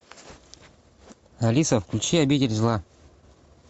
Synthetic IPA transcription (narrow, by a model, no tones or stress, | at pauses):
ɐlʲisəfklʲʉt͡ɕiɐbʲidʲɪlʲzlˠa